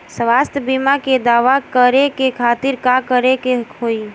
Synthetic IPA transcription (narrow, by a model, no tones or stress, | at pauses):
sʋaːst̪ʰjəbimaked̪aːʋakəɾekekʰaːt̪ɪɾkakəɾekeɦoi